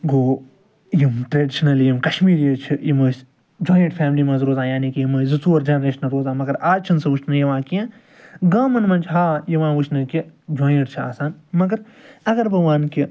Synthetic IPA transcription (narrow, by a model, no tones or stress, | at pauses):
ɡoː | jimʈɾeːɖiʃnɐljimkɐʃmiːɾjet͡ʃʰijimɐːs | d͡ʒoːjə̃ɳʈfʰʲaːmlimɐ̃nzɾoːzaːjaːnikijimɐːzɨt͡suːɐɾd͡ʒɐnɾeːʃnɐlɾoːzãːmɐɡɐɾaːt͡ʃʰɐnsɐʋut͡ʃʰnɐjɐʋãːkijãː | ɡaːmɐnmɐnt͡ʃʰɦaːjiʋãːʋut͡ʃʰnɐkid͡ʒoːjəɳʈt͡ʃʰia̰ːsaːnmɐɡɐɾ | ɐɡɐɾbɐʋaːnki